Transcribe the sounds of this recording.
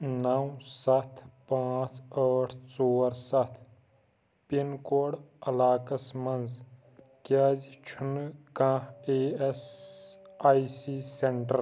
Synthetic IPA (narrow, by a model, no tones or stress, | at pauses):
nɐwsɐt̪ʰpãːt͡səːʈʰt͡soːɾsɐt̪ʰ | pinkoːɽɐlaːkɐsmɐnz | kaːzt͡ʃʰunkãeːes | aːisiseɳʈəɾ